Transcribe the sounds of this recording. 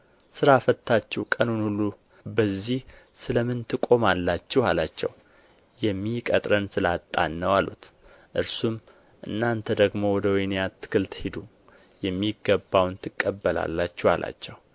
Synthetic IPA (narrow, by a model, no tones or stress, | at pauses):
sɨɾafət̪ʰːat͡ʃːɛhkʼənunhulːu | bəzːih | sɨləmɨnt̪ʰɨkʼo̞malːat͡ʃːɛhalat͡ʃːɛ̰w | jɛmːikʼət̪ʼɾənsɨlat̪ʼːa̰nːəwalṵt̪ | ʔɨɾsum | ʔɨ̰nːant̪ʰəd̪əɡmo̞wɔd̪əwɔjnejat̪ʰːɨ̥kʰɨlt̪hid̪u | jɛmːiɡːəbːawnt̪ʰɨkʼːəbːəla̰lːat͡ʃːɛhalʔa̰t͡ʃːɛw